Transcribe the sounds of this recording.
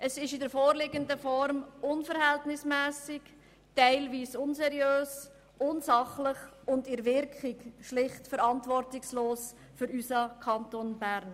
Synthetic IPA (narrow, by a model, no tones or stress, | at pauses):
ʔəsɪʃɪdəɾfoːɾlɪɡəndəfɔɾmʔʊnfəɾhɛltnɪsmɛːsɪk | tɛɪlviːsʊnsɛɾjøːs | ʔʊnsɑχlɪχʊndɪɾvɪɾkχɪkʃlɪχtfəɾɑntvɔɾtɪksloːs | fʏɾysɑkʰɑntonbæɾn